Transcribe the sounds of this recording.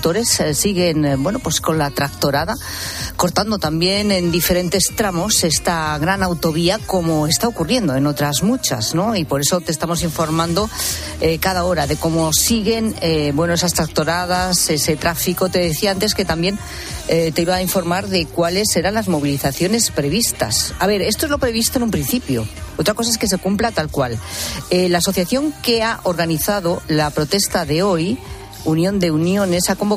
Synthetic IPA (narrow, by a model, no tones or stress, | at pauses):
t̪o̞ɾe̞ssiɣ̞e̞nbwe̞no̞pwe̞sko̞nlat̪ɾakt̪o̞ɾaða | ko̞ɾt̪and̪o̞t̪ambje̞ne̞nd̪ife̞ɾe̞nt̪e̞st̪ɾamo̞se̞st̪aɣɾanawt̪o̞βiako̞moe̞st̪aokurje̞nd̪o̞e̞no̞t̪ɾazmut͡ʃa̰zno̞ipo̞ɾe̞so̞t̪est̪amo̞s̬iɱfo̞ɾmãnd̪o̞ | ekaðao̞ɾaðe̞ko̞mo̞siɣe̞nebwe̞noe̞sast̪ɾak̚t̪o̞ɾað̞ase̞se̞t̪ɾafiko̞t̪e̞ðeθiaant̪e̞ske̞t̪ambje̞n | et̪e̞iβaːiɱfo̞ɾmaɾðe̞kwale̞seɾanlazmo̞β̞iliθaθjo̞ne̞spɾe̞β̞ist̪a̰saβ̞e̞ɾe̞st̪oezlo̞pɾe̞β̞ist̪onũmpɾin̟θipjoot̪ɾakos̬aeske̞s̬e̞kumplat̪alkwalelaːso̞θjaθjo̞ŋke̞aʔo̞ɾɣaniθað̞o̞lapɾo̞t̪e̞st̪aðe̞o̞j | unjõ̞nd̪e̞unjo̞ne̞sako̞mbo